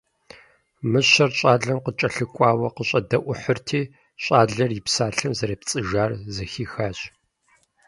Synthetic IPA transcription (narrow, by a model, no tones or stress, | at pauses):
mɨɕɐrɕʼaːɮɐmqət͡ʃʼɐɬɨkʷʼaːwɐqəɕʼɐdɐʔʷʊħərtʰiː | ɕʼaːɮɐrjɪpsaːɬɨmzɐɾɐːpt͡sʼɨʒaːrzɐxiːxaːɕ